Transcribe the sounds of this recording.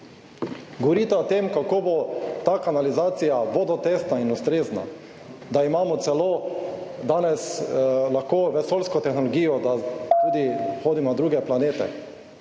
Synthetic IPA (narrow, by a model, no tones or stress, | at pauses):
ɡɔʋɔɾiːt̪aot̪emkakoːbot̪aːkanalizaːt̪sijaʋoːd̪ɔt̪est̪nainust̪ɾeːzna̰ | d̪aimaːmɔt̪sɛloːd̪aːnɛslaxkoːʋɛsoːlskɔt̪ɛxnɔlɔɡiːjɔd̪at̪uːd̪ixoːd̪imnad̪ɾuːɡɛplaneːt̪ɛ̰